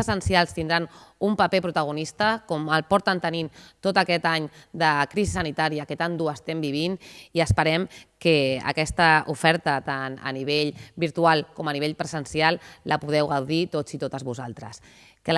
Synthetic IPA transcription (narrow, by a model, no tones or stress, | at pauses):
əsənsialˠst̪ind̪ɾanumpapepɾut̪əɣ̞unist̪əkɔməlˠpɔɾt̪ənt̪ənimt̪ot̪əkɛt̪aɲd̪əkɾizisənit̪aɾiakət̪and̪uəst̪ɛmbiβ̞iniəspəɾɛmkəə̰kɛst̪əufɛɾt̪ət̪anə̰niβ̞eʎbiɾt̪ualˠkɔmaniβeʎpɾəzənsialˠləpuð̞ɛwɣawðit̪od͡zit̪ot̪əzβuzalˠt̪ɾə̰s | kə